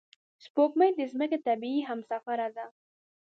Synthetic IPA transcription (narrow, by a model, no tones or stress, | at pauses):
spokmajd̪əzməkat̪abiiɦamsafaɾad̪a